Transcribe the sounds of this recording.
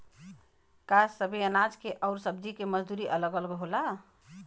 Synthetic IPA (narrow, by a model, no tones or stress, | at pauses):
kassəbʱeənad͡ʒkeʔɔʊɾsəbd͡ʒikeməd͡ʒd̪uɾiʔələɡəlɡɦola